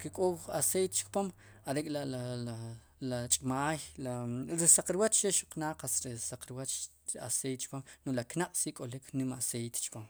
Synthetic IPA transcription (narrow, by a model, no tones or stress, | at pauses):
kikʼowasejt̪t͡ʃkpom | aɾekʼlaaa | lat͡ʃʼmaːjlaɾisaq͡χɾiwat͡ʃʃeʃuqnaːqasɾesaq͡χɾwat͡ʃ | asejt̪̚t͡ʃpamnolaknaqʼsikʼolikʰnimasejt̪t͡ʃpom